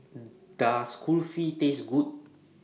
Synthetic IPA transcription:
d̥askʰulfitesɡut̚

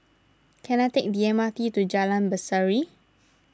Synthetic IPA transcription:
kɛnat̪ɛk̚diɛmat̪it̪ud͡ʒalãnbəsaɹi

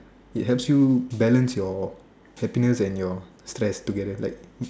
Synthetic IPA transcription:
it̚ɦɛpsjubɛlə̃nsjɔ | hɛpinəsɛ̃njɔ | stɹɛstuɡɛdəlaɪk̚

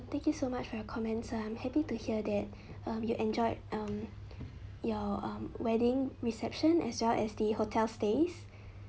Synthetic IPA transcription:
t̪ɛ̃ŋkjusomat͡ʃfɔjɔkʰɔmɛ̃ntsãɪ̃mhɛpituhiədɛt̚ | ʌ̃mjuʔɛ̃nd͡ʒɔɪʌ̃m | jɔʌ̃mwɛdɪ̃ŋɹisɛp̚ʃə̃nɛ̰swɛlʔɛ̰sdəhotʰɛlstes

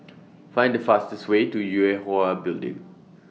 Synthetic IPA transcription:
fãɪ̃ndəfastəswetujuɛɦoabɪldɪ̰̃ŋ

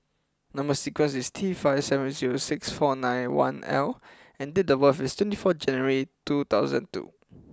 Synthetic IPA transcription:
nãmbəsikwə̃nsistʰifaɪv̥sɛvə̃nziɹosɪksfɔnãjnwã̰nɛ̰l | ɛ̃ndedəwəfistʰwɛ̃ntifɔd͡ʒɛ̃njəɹitut̪aʊzə̰̃ntṵ

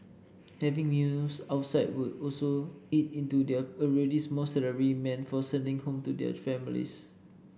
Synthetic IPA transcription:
hɛvɪ̃ŋmjusaʊtsaɪd̚wudɔlsoit̚ĩntudɛɔɹɛdismɔsɛləɹimɛ̃nfɔsɛ̃ndĩŋhõmtudɛ̰fɛ̃milḭs

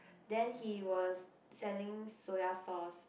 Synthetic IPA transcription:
dɛ̃nhiwɔsː | ɛlɪ̃ŋsoasɔs

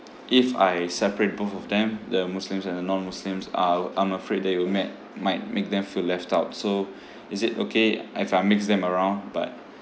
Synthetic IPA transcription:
ʔɪfa̰jsɛpəɹet̚boθɔfd̪ɛ̃md̪əmuslɪ̃msɛ̃ndənɔ̃nmuslĩmsaãɪ̃məfɹed̚dɛt̚jumɛt̚ | maɪt̚mek̚d̪ɛ̃mfilɛftaʊtso | ɪsɪtokʰeifaɪmɪksdɛ̃məɹãʊ̃ndba̰t̚

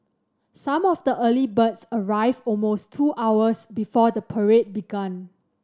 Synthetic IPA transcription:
sãmɔfdəʔəlibətsəɹaɪvɔlmostʰuʔawəsbifɔdəpʰəɹet̚biɡãn

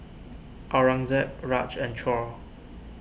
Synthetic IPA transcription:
ʔaɹãŋzɛt̚ɹat͡ʃɛ̃nt͡ʃʰɔ

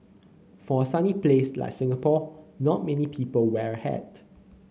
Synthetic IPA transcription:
fɔsaniplesla̰ɪk̚sɪ̃ŋəpɔnɔt̚mɛnipʰiːpəlwɛɹəhɛ̰d

